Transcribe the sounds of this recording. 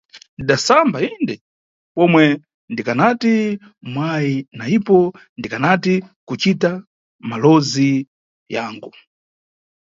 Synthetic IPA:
ndiɗasambaindɛ | pɔmwɛ | ndikanati | mwajinaipɔ | ndikanatikut͡ʃita | malɔzi | jaːŋɡu

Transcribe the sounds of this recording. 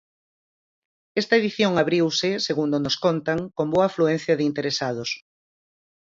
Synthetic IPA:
ɛst̪ɐeðiθjoŋaβɾiwsɪseɣund̪onoskont̪aŋkomboɐaːfluen̟θjɐðɪint̪eɾesað̞ʊs

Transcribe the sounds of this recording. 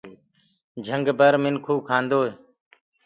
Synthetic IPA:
d͡ʒʱəŋɡbəɾmɪnkʰuːkʰãːnd̪oːe

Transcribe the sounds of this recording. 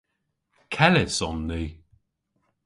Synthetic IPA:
kʰɛlɪsɔnːi

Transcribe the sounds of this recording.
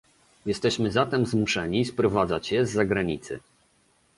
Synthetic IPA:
jɛst̪ɛɕmɘzat̪ɛmzmuʂɛɲispɾɔvad̪zat͡ɕjɛzːaɡɾaɲit̪sɘ̰

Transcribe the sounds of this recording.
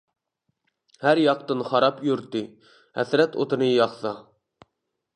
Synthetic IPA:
hæɾjɑqt̪ɨnχɑɾɑpjyɾt̪ːɨ | hɛ̰sɾɛt̪o̰t̪ʰɨnɨjɑχsɑ

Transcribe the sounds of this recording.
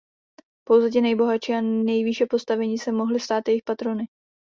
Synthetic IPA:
po̞wzɛt̪ɪnɛjbo̞ɦat͡ʃiːanɛjviʃɛpo̞st̪avɛɲiːsɛmo̞ɦlɪst̪aːt̪jɛjɪxpat̪ɾo̞nɪ

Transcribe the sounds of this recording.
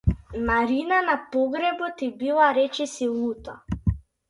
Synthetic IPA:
imaɾinanapɔɡɾɛbɔt̪ibilˠaɾɛt͡ʃɛsilˠut̪a̰

